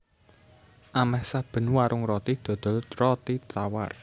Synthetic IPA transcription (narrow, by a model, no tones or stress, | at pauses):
ʔamɛhsab̥ə̤nwaɾʔʊŋrɔt̪id̪̥ɔ̤d̪̥ɔ̤lrɔt̪it̪awa̰r